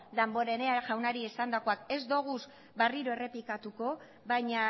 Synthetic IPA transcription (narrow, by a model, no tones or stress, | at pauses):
d̪ambo̞ɾe̞neaʝawnaɾiesand̪akoake̞zd̪oɣ̞us | bariɾo̞e̞re̞pikat̪uko̞ | βajɲa